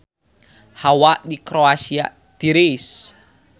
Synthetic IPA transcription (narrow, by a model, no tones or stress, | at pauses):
hawaʔdikɾoasia̰ | d̪̥iɾis